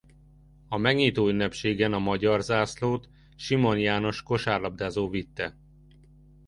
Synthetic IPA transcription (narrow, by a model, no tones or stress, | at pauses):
ɒmɛɡɲiːt̪oːynːɛpʃeːɡɛnɒmɒɟɒrzaːsloːt̪ | ʃimo̞njaːno̞ʃko̞ʃaːrlɒb̚d̪aːzoːvit̪ːɛ